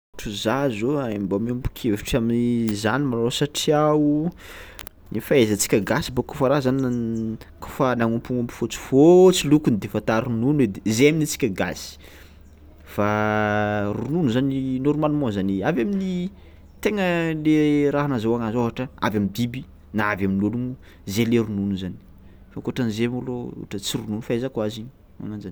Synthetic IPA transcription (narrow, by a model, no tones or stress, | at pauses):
ʈ͡ʂuzazoaimbamiumpu̥kʰeviʈ͡ʂaminizanimalosaʈ͡ʂiaw | nifaezət͡si̥kʲəɡasibakofaɾazan | ko̥fanaŋumpuŋambu̥fot͡si̥fot͡silukunid̪efat̪aɾununwed̪ezeaminit͡si̥kʲaɡa̰si̥ | fa | ɾununuzaninoɾumalumɔ̃zaniavamini | t̪eŋəleɾaɦanazawaŋazoɦaʈ͡ʂəa̰vamid̪ibi | naavaminuluŋu | zeleɾununuzani̥ | fakoʈ͡ʂanzemoloṵʈ͡ʂət͡siɾununufaezakuaziɲ | a̰ŋand͡ʒan